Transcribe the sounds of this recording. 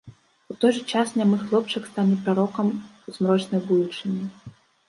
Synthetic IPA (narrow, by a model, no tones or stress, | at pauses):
ut̪ɔjʐɨt͡ʂasnʲamɨxlˠɔp̚t͡ʂɐkst̪anʲipɾaɾɔkɐmuzmɾɔt͡ʂnɐjbud̪ut͡ʂɨnʲi